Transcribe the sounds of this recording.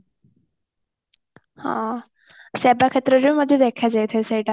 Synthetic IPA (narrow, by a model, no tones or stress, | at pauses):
hã̰ | sɛbakʰet̪ɾəd͡ʑuməd̪ʱːjed̪ekʰjad͡zajt̪ʰesejʈa